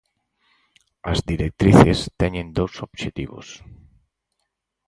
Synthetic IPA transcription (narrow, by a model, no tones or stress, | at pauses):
azd̪iɾek̚t̪ɾiθest̪ɛɲẽnd̪owsobʃet̪ḭβo̰s